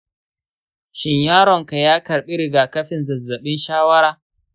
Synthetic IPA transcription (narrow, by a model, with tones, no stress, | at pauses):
ʃɪ˨ɲjaː˦ɾɔ˨ŋka˨jaː˦kɐ˨ɾɓi˦ɾɪ˨ɡaː˨kɐ˦ɸɪ˨nzɐ˨zːɐ˨ɓɪ˦nʃaː˦wɐ˦ɽaː˦